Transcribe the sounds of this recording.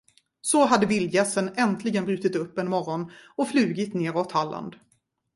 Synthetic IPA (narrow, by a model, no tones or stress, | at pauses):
sɔɦad̪ːəvɪljɛsːənɛnt̪ʰlɪɡənbɾʉ̟ːt̪ɪt̪ɵpːɛnmɔɾɔnɔflʉ̟ːɡɪt̪neːɾɔt̪halːa̰nd̪